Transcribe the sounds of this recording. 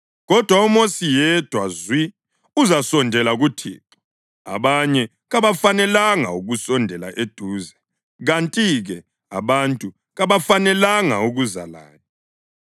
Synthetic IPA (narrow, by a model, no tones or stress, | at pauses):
ɣɔd̥ʱwaumosijɛd̥ʱwazwi | uzasɔndʱɛlaɣutʰḭːpʰʼu̥ | a̰βaɲɛ | ɣaβafanɛlaŋa̰uɣusɔndʱɛla̰ʔed̥ʱuːzɛ | ɣantʼiɣɛ | a̰βantʼu | ɣaβafanɛlaŋa̰uɣuza̰la̰ːni